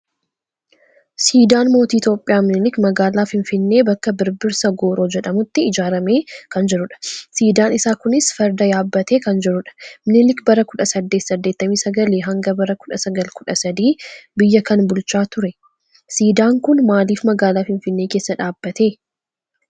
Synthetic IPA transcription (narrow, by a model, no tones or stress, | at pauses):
siːd̪aːnmo̞ːt̪iːt̪jo̞ːpʼːɪjaːmnɪlɪkmɐɡaːlaːfɪnfɪnːe̞ːbɐkːɐbɪɾbɪɾsɐɡo̞ːɾo̞ːd͡ʒɛᶑɐmʊt̪ːɪɪd͡ʒaːɾɐme̞ːkɐnd͡ʒɛɾʊᶑɐ̥siːd̪aːnɪsaːkʊnɪsfɐɾd̪ɐjaːbːɐt̪e̞ːkɐnd͡ʒɛɾʊᶑɐ̥mnɪlɪkbɐɾɐkʊᶑɐsɐd̪ːe̞ːt̪sɐd̪ːe̞ːt̪ːɐmiːsɐɡɐleːɦɐŋɡɐbɐɾɐkʊᶑɐsɐɡɐlkʊᶑɐsɐd̪iːbɪjːɐkɐnbʊlt͡ʃaːt̪ʊɾɛ | siːd̪aːŋkʊnmaːliːfmɐɡaːlaːfɪnfɪnːe̞ːke̞ːsːɐᶑaːbːɐt̪e̞ː